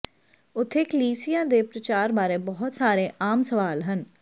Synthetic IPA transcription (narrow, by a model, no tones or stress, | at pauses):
ʊt̪ʰːeːkəliːsijãːd̪eːpɾət͡ʃaːɾbaːɾeːbɔɦʊt̪saːɾeːʔaːmsəʋaːlɦən